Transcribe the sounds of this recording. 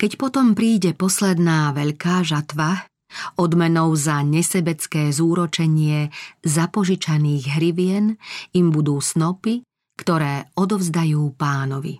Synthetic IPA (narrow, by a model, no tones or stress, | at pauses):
kɛcpɔt̪ɔmpɾiːɟɛpɔslɛd̪naːʋɛʎkaːʒat̪ʋa | ɔd̪mɛnɔʊzaɲɛsɛbɛt͡skɛːzuːɾɔt͡ʃɛɲɪɛzapɔʒit͡ʃaniːɣɦɾiʋɪɛnimbud̪uːsnɔpi | kt̪ɔɾɛːɔd̪ɔvzd̪ajuːpaːnɔʋḭ